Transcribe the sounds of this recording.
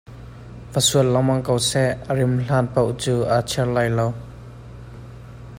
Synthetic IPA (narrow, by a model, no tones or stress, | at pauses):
vəsuəlːɐwmɐŋkowsɛʔərɪmɬaːnpowt͡suːʔat͡ʃʰɛrlajlow